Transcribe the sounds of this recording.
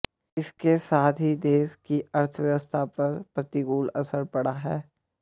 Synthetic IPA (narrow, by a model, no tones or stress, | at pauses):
ɪskesaːt̪ʰɦid̪eːʃkiɐɾt̪ʰəʋjəʋəst̪ʰapɐɾpɾɐt̪ɪɡuːlɐsəɾpɐɽaɦɛː